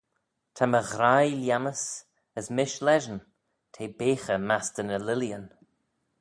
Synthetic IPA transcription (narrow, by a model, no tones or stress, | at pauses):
t̪ʰaməɣɾajljaməs | əsmɪʃlɛʒən | t̪ʰeːbeːxəmast̪ənəlɪljən